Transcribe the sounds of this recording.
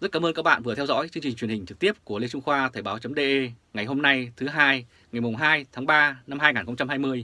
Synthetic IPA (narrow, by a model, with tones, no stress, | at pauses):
zə˦˥t̚kaː˨˧˦ʔəː˧ka˦˥ɓa̰ː˧˨nvɨ˨˩ət̪ʰɛ˧wzɔ̰˧˥jt͡ɕɨ˧əŋt͡ɕï̟˨˩t͡ɕwi˨˩ənhi̟˨˩t͡ɕɨ˨˩k̚t̪i˦˥əp̚ku˧˩əle˧t͡ɕʊ˧ŋ͡mxwaː˧t̪ʰə˨˩ɓaː˨˦wt͡ɕə˨˦mɗe˧ʔe˧ŋa˨˩jɦo˧mna˧jt̪ʰɨ˨˦ɦaː˧j | ŋa˨˩jmʊ˨˩ŋ͡mɦaː˧jt̪ʰaː˨˦ŋɓaː˧na˧mhaː˧jŋaː˨˩nxə˧ŋ͡mt͡ɕa˧mhaː˧jmɨ˧əj